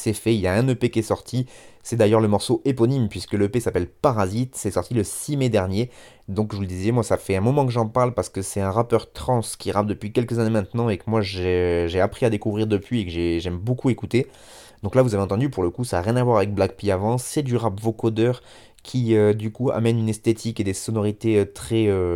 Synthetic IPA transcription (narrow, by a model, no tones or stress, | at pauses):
sɛfɛiljaɛ̃nøpekʲiɛsɔʁt̪ʰisɛd̪ajœʁləmɔʁsoʔepɔnimpɥiskəløpesapɛlpaʁazit̪sɛsɔʁt̪iləsimed̪ɛʁnje | d̪ɔ̃kʒəvuləd̪izjɛmwasafɛɛ̃mɔmɑ̃kəʒɑ̃paʁlpaʁsə̥kəsɛt̪ɛ̃ʁapœʁt̪χɑ̃skʲiʁap̚d̪əpɥikʲɛlkəzanemɛ̃t̪nɑ̃ekəmwaʒeʒeapχiad̪ekuvʁiʁd̪əpɥiekəʒeʒɛmbokuekut̪e | d̪ɔ̃klavuzaveɑ̃t̪ɑ̃d̪ypuʁləkusaːʁjɛ̃navwaʁavɛk̚blak̚piavɑ̃sɛd̪yʁapvokod̪œʁ | kʲʰiød̪ykua̰mɛnynɛst̪et̪ʰiked̪esɔnɔʁit̪eøt̪χɛø